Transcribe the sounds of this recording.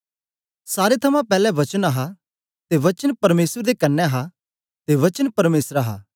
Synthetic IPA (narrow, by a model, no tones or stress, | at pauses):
saːɾet̪ʰɐmãpɛːlɛʋɐt͡ʃənaɦa | t̪eʋɐt͡ʃənpɐɾmeːsəɾd̪ekɐnːɛɐɦa | t̪eʋɐt͡ʃənpɐɾmeːsɾaɦa̰ː